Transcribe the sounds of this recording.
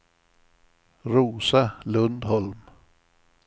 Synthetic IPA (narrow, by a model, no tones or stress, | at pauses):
ɾuːsalɵnd̪hɔlm